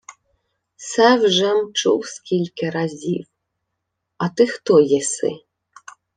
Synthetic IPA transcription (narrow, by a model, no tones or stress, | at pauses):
sawʐɐmt͡ʂṵwskʲilʲkʲiɾazʲiw | ɐt̪ɨxt̪ɔjɛsɨ̰